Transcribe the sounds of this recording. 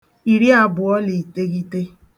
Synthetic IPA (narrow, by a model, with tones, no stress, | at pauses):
i˨ɾi˦a˨bʊ˨ɔ˦li˨te˦ɣi˦te˦